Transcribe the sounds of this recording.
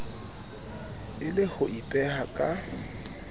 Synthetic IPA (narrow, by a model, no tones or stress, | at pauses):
ɪlɪhʊʔipʼɛhakʼa